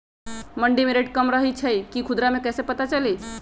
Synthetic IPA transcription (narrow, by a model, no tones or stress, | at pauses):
məɳɖimeɾeʈkəmɾəɦit͡ʃʰəjkikʰud̪ɾamekɛsepət̪at͡ʃəli